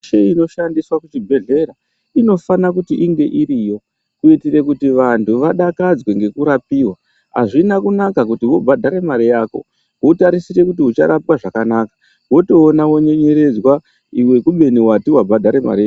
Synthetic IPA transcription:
ʃeino̞ʃandiswakut͡ʃibʱe̞ɮe̞ɾa | ino̞fanakutiʔiŋɡe̞ʔiɾijo | kuitire̞kutiʋantʰuʋaɗakad͡zwe̞ŋɡe̞kuɾapiːwa | ɦa̰ʐinakunakak̬utiʋo̞bʱadʱaɾe̞maɾijaːko̞̰ | wutaɾisiɾe̞kutiut͡ʃaɾapwaʐakanaːkḁ | wo̞to̞ːnawo̞ɲeɲe̞ɾe̞d͡zwa | iwe̞kuɓe̞niwatiwabʱadʱaɾe̞ma̰ɾia

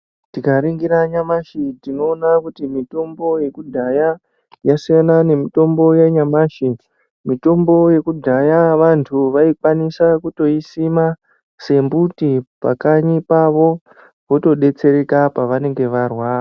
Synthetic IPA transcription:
tikaɾiŋɡiɾaɲamaʃitino̞ːnakutimito̞mbo̞je̞kudʱaja | jasijanane̞mito̞mbo̞jeɲamaʃi | mito̞mbo̞je̞kudʱajaʋantʰuʋaikwanisakuto̞isima | se̞mbutipa̰kaɲipaʋo̞ | ʋo̞to̞ɗe̞t͡se̞ɾe̞kapaʋane̞ŋɡe̞ʋarwaː

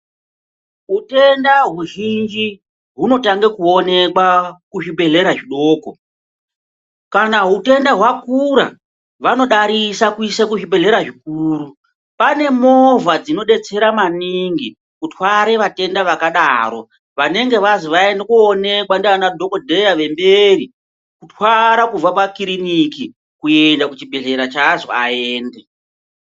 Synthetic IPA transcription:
ɦute̞ndaɦuʒind͡ʒi | ɦuno̞taŋɡekuo̞ne̞kwakuʐibe̞ɮe̞ɾaʐiɗo̞ːko | kanaɦute̞ndaɦwakuɾa̰ | ʋano̞ɗaɾisakuisakuʒibe̞ɮe̞ɾaʐik̚uːɾu | pane̞mo̞vad͡zino̞ɗe̞t͡se̞ɾamaniŋɡi | kutwaɾe̞ʋate̞ndaʋakaɗaːɾo̞ | ʋane̞ŋɡe̞ʋaziʋaendekuone̞kwandeanadʱo̞kodʱe̞jaʋe̞mberi | kutʰwaɾakub͡vapakiɾiniki | kuendakut͡ʃibʱe̞ɮe̞ɾat͡ʃaʐo̰aeːnde

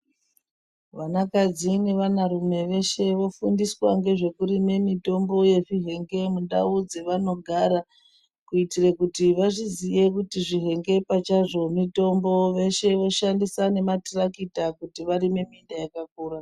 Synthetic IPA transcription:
ʋanakad͡zine̞ʋanaɾume̞ʋe̞ʃe̞ʋo̞fundiswaŋɡe̞ʐe̞kuɾime̞mito̞mbo̞je̞ʐiɦe̞ŋɡe̞munda̰ud͡ze̞ʋano̞ɡʱaːɾa | kuitirekutiʋaʐizije̞kutiʐiɦe̞ŋɡe̞pat͡ʃaʐo̞mito̞mbo̞ʋe̞ʃe̞ʋo̞ʃandisane̞matirakitakutiʋaɾime̞mindajakak̚uːra

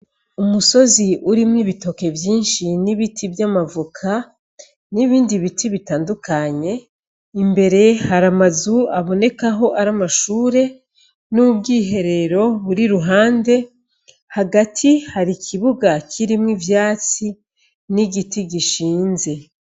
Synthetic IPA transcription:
umuso̞ziʔuɾimŋiβito̞ke̞vjiːnʃiniβitʰibjamavukʰa | niβiːndiβitʰiβitaːndukaɲe̞ | imbe̞ɾe̞haɾamazuaβo̞ne̞kaɦo̞ʔaɾamaʃuːɾe̞ | nuubɡiːɦe̞ɾe̞ɾo̞βuɾiɾuɦaːnde̞ | haɡatʰihaɾikʰiβuɡakʰiɾimŋivjaːt͡si | niɟitiɟiʃiːnze̞

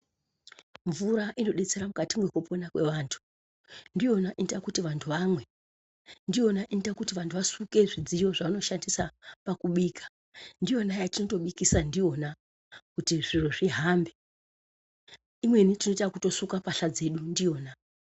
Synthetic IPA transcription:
ɱvuɾaʔino̞ɗe̞t͡se̞ɾamukatimweko̞po̞nakwe̞ʋaːntʰu̥ | ndijo̞naʔinitakutiʋantʰuʋamwe̞ | ndio̞naʔinitakutiʋantʰuʋasuke̞ʐid͡zijo̞ʐaʋano̞ʃandisapakuɓiːkʰḁ | ndijo̞najatino̞to̞ɓikisandio̞na | kutiʐiro̞ʐiɦambe̞ | imwe̞nitinotakuto̞sukapaɬad͡ze̞ɗundio̞ːna

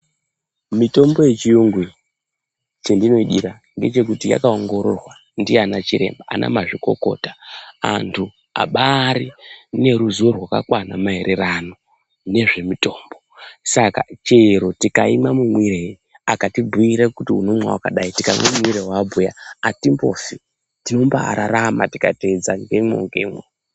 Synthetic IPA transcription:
mito̞mbo̞je̞t͡ʃijuŋɡwi | t͡ʃendino̞iɗiɾa | ŋɡe̞t͡ʃe̞k̬utija̰kao̞ŋɡo̞ɾo̞̰rwa | ndianat͡ʃiɾe̞̰mbaa̰nʔa̰maʐiko̞̰ko̞̰tḁa̰ntʰu | a̰ɓaɾine̞ɾuzorwaka̰kwanamaɦe̞ɾʔe̞rano̞ | ne̞ʐe̞mito̞ːmbosaka̰t͡ʃeɾo̞tikaimamumwirei | akatibuiɾekutiunomwa̰wkaɗaitikaḭmamumwiɾewabujaatimbo̰fi | tino̞mbaa̰ɾaɾamatika̰ted͡zaŋɡemo̰ŋɡemwo

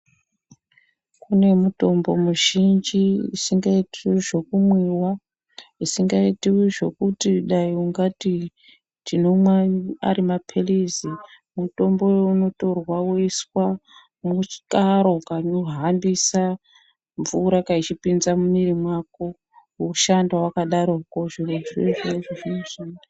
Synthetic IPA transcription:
kune̞muto̞mbo̞muʒind͡ʒiḭsiŋɡaitiʐo̞kumwiwa | isiŋɡaitiʐo̞kutiɗaiuŋɡati | tino̞mwaa̰ɾimapʰelizi | muto̞mbo̞jeuno̞to̞rwawoiswa | mut͡ʃi̥kaɾokanoɦambisa | ɱvuɾakait͡ʃipinzamumiɾimwako | uʃandawakaɗaɾokoʐiroʐeʐʐoʐinoʃaːnda

